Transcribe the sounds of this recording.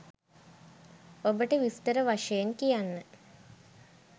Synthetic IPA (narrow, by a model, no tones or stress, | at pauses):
obəʈəʋist̪əɾəʋaʂɐjenkijanːə